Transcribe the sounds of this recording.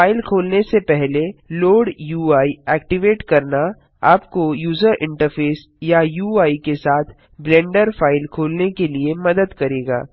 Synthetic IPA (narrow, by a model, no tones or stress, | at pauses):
aːɪlkʰoːlnesepɛɦleloːɽjuːaːiɛːkʈɪʋeːʈkɐɾna | aːpkojuːzəɾɪ̰̃ɳʈəɾfʰeːs | jajuːaːikesaːt̪ʰ | blɛ̃ːɳɖəɾfaːɪlkʰoːlnekeliemɐd̪əd̪kɐɾeːɡa̰ː